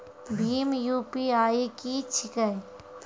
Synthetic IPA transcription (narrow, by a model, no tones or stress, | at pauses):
bʱiːmjuːpiaːikit͡ʃʰɪkəj